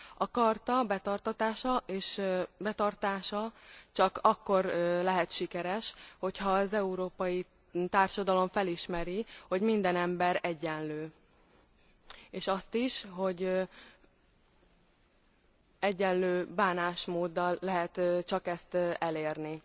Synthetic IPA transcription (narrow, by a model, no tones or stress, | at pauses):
ɒkɒrt̪ɒbɛt̪ɒrt̪ɒt̪aːʃɒʔeːʃbɛt̪ɒrt̪aːʃɒt͡ʃɒkɒkːo̞rlɛɦɛt̪ʃikɛɾɛʃho̞chɒːzɛuɾoːpɒji | t̪aːrʃɒd̪ɒlo̞ɱfɛliʃmɛɾiho̞ɟmind̪ɛnɛmbɛɾɛɟːɛnløː | eːʃɒst̪iʃɦo̞ɟ | ɛɟːɛnløːbaːnaːʃmoːd̪ːɒlːɛɦɛt̪t͡ʃɒkɛst̪ɛleːrni